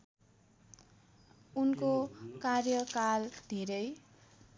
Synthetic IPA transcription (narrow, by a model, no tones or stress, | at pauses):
unkokarjʌkald̪ʱeɾʌj